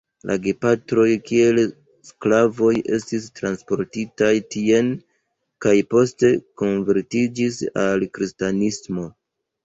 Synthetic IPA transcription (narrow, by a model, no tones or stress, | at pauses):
lʔa̰ɡepatɾo̞jkie̞l | sklavo̞jʔe̞̰stis̬tɾanspo̞ɾtitajtie̞n | kajpo̞ste̞ko̞nve̞ɾtid͡ʒisalkɾistanismo̞